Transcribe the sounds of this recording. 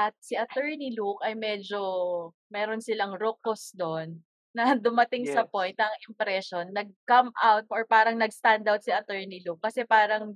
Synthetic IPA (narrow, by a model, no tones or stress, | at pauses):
ʔɐt̪̚siʔɐt̪ɛɹnilukɐjmɛd͡ʒo̞ | mɛːɾonsɪlɐŋɾokosd̪onː | ɐd̪ʊmɐt̪ɪŋsɐpojnt̪ɐŋɪmpɾɛʃonːɐɡ̚kɐmʔawt̪̚ɔɹpaːɾɐŋnɐɡst̪and̪awt̪̚siʔɐt̪ɛɹnilukːɐsɛpaːɾɐŋ